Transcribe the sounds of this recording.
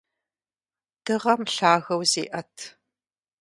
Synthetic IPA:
d̥ɨʁɐmɬaːɣɐwzḛːʔɐtʰ

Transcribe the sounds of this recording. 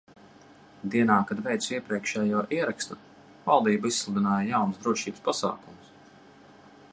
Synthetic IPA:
d̪iɛnaːkad̪vɛjt̪siɛpɾiɛkʃɛːjuɔʔiɛɾakst̪u | valˠd̪iːbaisslˠud̪inaːjajawnsd̪ɾuɔʃiːbəspasa̰ːkumʊs

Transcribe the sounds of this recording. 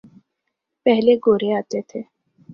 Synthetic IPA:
pɛɦleɡoːɾeaːt̪et̪ʰeː

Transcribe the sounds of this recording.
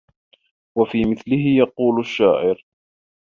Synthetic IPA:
wafiːmɪθlɪɦɪjɑquːlʊʃːaːʕɪɾ

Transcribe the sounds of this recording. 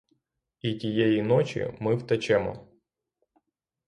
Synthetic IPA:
itʲijɛjinɔt͡ʃʲḭmɪwt̪ɐt͡ʃɛmɔ̰

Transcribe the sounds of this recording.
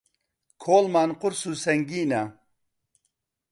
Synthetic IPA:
kʰoːlmaːnqʊɾsusɐŋɡiːna

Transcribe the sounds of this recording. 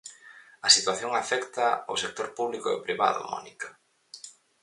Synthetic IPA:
ɐsit̪waθjoŋafɛkt̪ɐo̰sek̚t̪oɾpuβlikʊo̰pɾiβa̰ðʊ̰mɔ̰nikɐ

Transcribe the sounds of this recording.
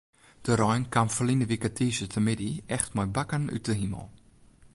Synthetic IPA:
d̥əɾɔjnkʰamfəlinəʋikətʰiːsətʰəmɪdiɛxtmɔjbakəny̰təɦimə̰lˠ

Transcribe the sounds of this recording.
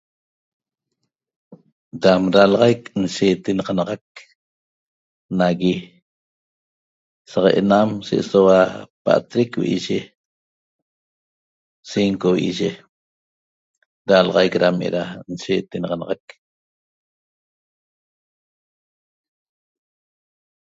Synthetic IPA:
damɾalɑʁɑjknʃeːt̪enɑʁɑnɑʁɑk̚ | naɣi | saʁeʔḛnamʃeʔsowapa̰ʔt̪ɾekwḭʔiʒe | siŋkowḭʔiʒe | ɾalʁɑjkɾamʔḛɾanʃeːt̪enɑʁɑnɑʁɑk

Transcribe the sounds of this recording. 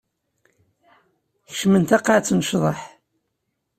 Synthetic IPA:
çə̥ʃmənt̪ɑqːaʕt͡sːnʃðˤɑħ

